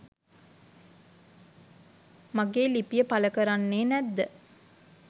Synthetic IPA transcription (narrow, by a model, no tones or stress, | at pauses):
maɡeːlipijəpaləkəɾanːeːnæd̪ːə